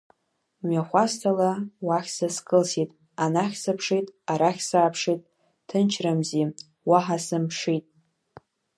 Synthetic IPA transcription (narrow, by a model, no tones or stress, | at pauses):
mɥaχʷastʰalawaχʲsaskʼɨlsitʼ | anaχʲsɨpʰʂitʼaɾaχʲsaːpʰʂitʼ | tʰɨnt͡ʃʰramzi | waħasɨmpʰʂitʼ